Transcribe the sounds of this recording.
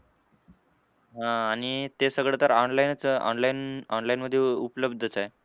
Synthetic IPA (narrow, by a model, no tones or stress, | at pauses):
ɦãːɽ̃it̪esəɡɭet̪əɾɔnlajnt͡sɔ̰nlainɔnlainməd̪ʱːjeupləbd̪ʱət͡sae